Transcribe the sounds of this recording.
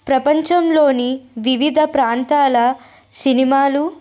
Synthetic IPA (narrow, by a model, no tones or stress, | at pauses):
pɾɐpɐɲt͡ʃɐmloːniʋiʋid̪ʱɐpɾaːnt̪aːlɐ | sinimaːlu